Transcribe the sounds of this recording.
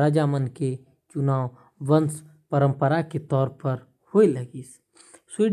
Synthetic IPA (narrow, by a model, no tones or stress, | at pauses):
ɾaːd͡ʒaːmənke | t͡ʃʊnaːw | ʋəns | pəɾə̃mpəɾaket̪ɔːɾpɐɾ | hoilɐɡiːs | siɖ